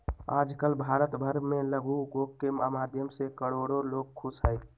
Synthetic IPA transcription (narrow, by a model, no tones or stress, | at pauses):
aːd͡ʒkəlbʱaːɾət̪bʱəɾmẽləɡuɡoːkːemamaːd̪ʱjəmsekəɽoːɾoloːɡ̚kʰʊsɦəɪ